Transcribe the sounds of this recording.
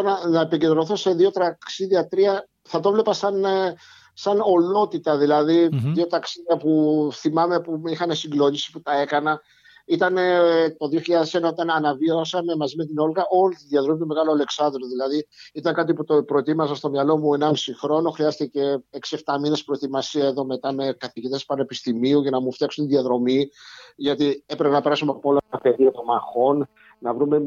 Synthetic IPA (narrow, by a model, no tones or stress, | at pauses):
onɐnɐepiɲɟe̞nd̪ɾo̞θose̞ðio̞t̪ɾɐksiðiɐt̪ɾiɐ | θɐt̪o̞vle̞pɐsɐn | sɐno̞lo̞t̪it̪ɐðilɐðiðio̞t̪ɐksiðɐpuθimɐme̞puixɐne̞siɡlo̞ɲisi̥put̪ɐe̞kɐnɐ | it̪ɐnet̪o̞ðio̞çiʎɐðese̞nɐot̪ɐnɐnɐviosɐme̞mɐzime̞t̪̬ino̞lɣɐʔo̞lit̪iðiɐt̪ɾomit̪ome̞ɣɐloɐle̞ksɐnd̪ɾo̞ðilɐðiit̪ɐŋkɐt̪iput̪opɾoet̪imɐsɐst̪o̞mɲɐlo̞muenɐmisixɾo̞no̞xɾiɐst̪ice̞e̞ksie̞ft̪ɐmine̞spɾo̞et̪imɐsiɐe̞ðo̞me̞t̪ɐme̞kɐθiʝit̪e̞spɐne̞pist̪imiuʝɐnɐmuft̪jɐksont̪iðiɐðɾo̞miʝɐt̪iepɾepenɐpe̞ɾɐsumɐpolɐɐpe̞ðiɐt̪o̞mɐxo̞n | nɐvɾume̞